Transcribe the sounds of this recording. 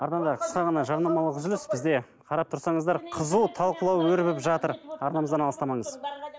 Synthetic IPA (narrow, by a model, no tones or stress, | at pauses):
ɑɾd̪ɑnd̪ɑɾqʰə̥sqɑʁɑnɑʒɑɾnɑmɑlˠəqʏzʏlʏsbɪzd̪e̞ | qʰɑɾɑp̚t̪ʰʊɾsɑɴəzd̪ɑɾqʰəzut̪ʰɑlˠqəlˠɑwwɵɾbɪpʒɑt̪əɾɑɾnɑməzd̪ɑnɑlˠəst̪ɑmɑɴəz